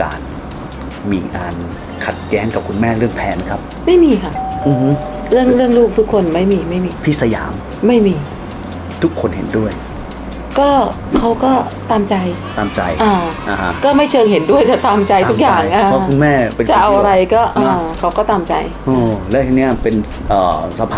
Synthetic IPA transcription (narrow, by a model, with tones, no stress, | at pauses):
ka̰ː˨˧n | miː˧kaː˧n | kʰa˨˩t̪̚jɛː˦˥ŋka˨˩kʰu˧nmɛː˥˩ɾɯ˥˩əŋpʰɛː˧n˦kʰa˦˥p̚ma˥˩jmiː˧kʰa˥˩ʔʔɯ˧hɯ˦˥ | ɾɯ˥˩əŋɾɯ˥˩əŋluː˥˩k̚t̪ʰu˦˥kʰːo˧nma˥˩jmiː˧ma˥˩jmiː˧pʰi˦˥sa˧ja̰ː˩˦m | ma˥˩jmiː˧ | t̪ʰu˦˥kʰːo˧nhḛ˩˦ndu˥˩əj | kɔː˥˩ | kʰa˦˥wkɔː˥˩ | t̪aː˧mt͡ɕa˧jt̪aː˧mt͡ɕa̰˧jʔaː˧ʔa˧ha˦˥kɔː˥˩ma˥˩jt͡ɕʰɤː˧ŋɦe˩˦ndu˥˩əjt̪aː˨˩t̪aː˧mt͡ɕa˧jt̪u˦˥k̚jaː˧˨˩ŋʔaː˧ɔ˦˥kku˧nmɛː˥˩pe˧nt͡ɕa˨˩˧ʔa˧wʔa˧ɾa˧jkɔː˥˩ʔaː˧˩kʰa˦˥wkɔː˥˩t̪aː˧mt͡ɕa̰˧j | ʔɤː˧˩lɛː˦˥he˨˦ni˥˩ɐpe˧n | ʔɤː˨˩sa˧˦mpʰa˧